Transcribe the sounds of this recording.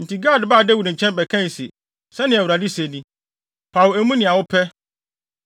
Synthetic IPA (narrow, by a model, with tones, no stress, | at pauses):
n̩˨tʰi˨ɡa˦˨dba˦˨dɛ˦wu˨ɾ̩̃˨t͡ɕʰɛ̃˦nbɛ˨kʰã˦n˨sḭ˨ | sɛ˦nɪ̃˨æ˨wu˨ɾa˨di˦se˨nĩ˦ | pʰa˨wæ˨mũ˦nɪ̃˨a˨wʊ˦pʰɛ˦